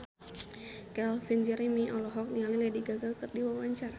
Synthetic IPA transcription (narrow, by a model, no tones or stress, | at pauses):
kɛlfind͡ʒɛɾimiʔɔlɔɦɔk̚niaŋlilɛdiɡaɡalkɨrdiwawaɲt͡ʃara